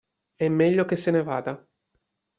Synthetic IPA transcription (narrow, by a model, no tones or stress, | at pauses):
ɛmːɛʎːokesːenevaːd̪a